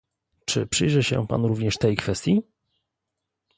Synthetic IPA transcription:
t͡ʂɘ̰pʂɘjʐɛɕɛ̰pa̰nɾuvɲɛʂt̪ɛjkfɛst̪ʲji

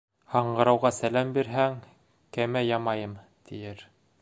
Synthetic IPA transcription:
hɑɴɢɤ̆ɾɑwʁɑsælæmbiɾɦæŋ | kæmæjɑmɑjɤm | t̪ʰijɘɾ

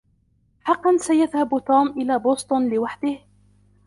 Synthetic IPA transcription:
ħɑqːɑnsajaðhabt̪uːmʔɪlaːboːst̪ˤʊnlɪwaħd̪ɪh

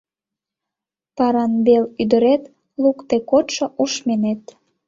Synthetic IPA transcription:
pɑɾɑnbelyd̪əɾet̪ | lukt̪ekot̪ʃŏʔuʃmenet̪

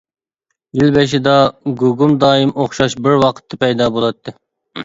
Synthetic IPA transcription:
jilbeʃ̬id̪ɑɡuɡumd̪ɑːimoχʃɑʃbɪɾwɑqʰə̥t̪ʰːɨpɛjd̪ɑːbolˠɑt̪ʰːɨ

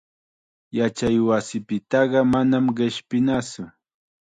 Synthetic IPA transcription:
jat͡ʃajwasɪpɪt̪ɑɢɑmanamɢɪʃpɪnat͡sʊ

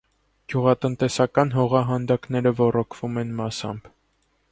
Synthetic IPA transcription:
ɡ̥juʁɑt̪ənt̪ɛsɑkɑnɦɔʁɑɦɑnd̪ɑkn̪ɛɾəvɔrɔkʰv̥umɛnmɑsɑ̰mb

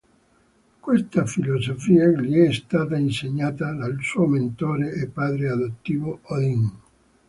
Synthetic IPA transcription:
kwest̪afilozofiːaʎiɛst̪aːt̪ainseɲːaːt̪ad̪alsuːoment̪oːɾeːpːaːd̪ɾead̪ot̪ːiːvood̪iŋ

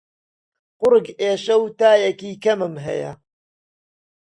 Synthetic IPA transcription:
qʊɾɨɡeːʃɐwt̪aːjɐkiːkɐmɨmɦɐ̰jɐ̰

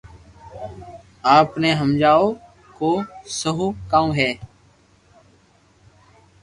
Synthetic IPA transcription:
aːpnẽːɦəmd͡ʒaːoː | koːsəɦuːkãːũːɦɛː

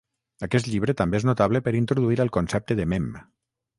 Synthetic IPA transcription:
akɛst̪ʎiβ̞ɾət̪ambeeznut̪aβləpəɾint̪ɾuðuiɾəlˠkonsɛp̚t̪əðemem

